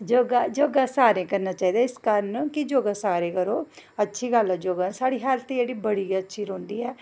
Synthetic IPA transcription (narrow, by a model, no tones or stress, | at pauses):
d͡ʒoːɡaːd͡ʒoːɡaːsaːɾẽːkəɾnaːt͡ʃaːiːd̪aːɪskəɾənkɪd͡ʒoːɡaːsaːɾeːkəɾoːətːʃʰiːɡəlɛːd͡ʒoːɡaːsaːɽiːɦaːlt̪ẽeːɽiːbəɽiːətːʃʰiːɾoːnd̪iːɛː